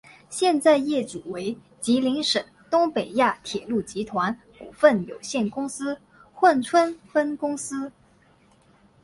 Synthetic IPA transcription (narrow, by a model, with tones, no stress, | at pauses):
ɕjɛ˥˧nt͡sa˥˧ɪjɛ˥˩ʈ͡ʂu˨˩we˧˥ɪ | t͡ɕi˧˥li˧˥ŋʂə˨˩ŋt̪ʊ˥ŋpe˨˩ɪja˥˩t̪ʰjɛ˨˩lu˥˩t͡ɕi˧˥t̪ʰwa˧˥n | ku˨˩fə˥˩njo˨˩ʊɕjɛ˥˩nkʊ˥ŋsɹ̩˥ | xwə˥˩nʈ͡ʂʰwə˥nfə˥nkʊ˥ŋsɹ̩˥